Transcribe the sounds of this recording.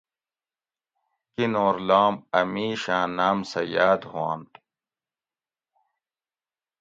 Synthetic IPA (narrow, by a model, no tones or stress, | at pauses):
kinoːɾlaːmɐmiːɕãːnaːmsɐjaːd̪huãːnt̪